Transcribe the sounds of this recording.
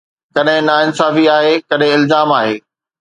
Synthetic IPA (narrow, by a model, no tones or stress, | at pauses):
kɐɗɦɪ̃naɪnsaːfiaːɦekɐɗɦɪ̃ɪlzaːmaːɦeː